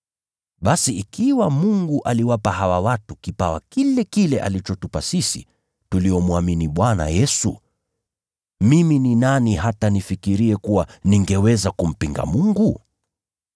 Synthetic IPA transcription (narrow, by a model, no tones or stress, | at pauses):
ɓasiikiwamuŋɡuʔaliwapaɦawawatukipawa̰kilɛkilɛʔa̰lit͡ʃɔtupasisḭ | tuliɔmuaminiɓwana̰jɛsṵ | mimininaniɦatanifikiɾiɛkuwaniŋɡɛwɛzakum̩piŋɡa̰muŋɡu